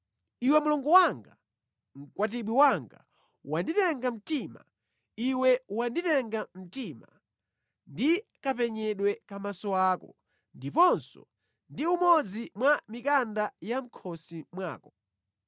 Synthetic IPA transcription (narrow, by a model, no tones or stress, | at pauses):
iwɛmulɔŋɡɔwaŋɡa | ŋ̩kwat̬iɓwiwaŋɡa̰ | wanditɛŋɡam̩tiːma̰ | iwɛwanditɛŋɡam̩tiːma̰ | ndikapɛɲɛɗwɛkamasɔaːkɔ̰ | ndipɔnsɔ̰ | ndiumɔd͡zimwamikandajam̩kʰɔsimwa̰ːkɔ